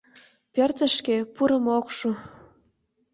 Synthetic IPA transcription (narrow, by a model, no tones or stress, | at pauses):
pø̆rt̪ə̆ʃkepuɾɤ̆mokʃu